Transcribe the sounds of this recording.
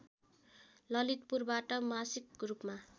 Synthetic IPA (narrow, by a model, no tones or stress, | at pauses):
lʌlit̪̚purbaʈʌmasik̚ɡrupma